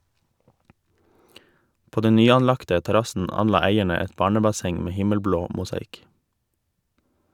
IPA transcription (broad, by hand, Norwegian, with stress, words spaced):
ˈpoː ˈdɛn ˈnyːɑnˌlɑktə tɛˈɾɑsn̩ ˈɑnˌlɑː ˈæɪɛɳə ˈɛt ˈbɑːɳəbɑˌsɛŋ ˈmeː ˈhɪməlˌbloː mʊsɑˈɪk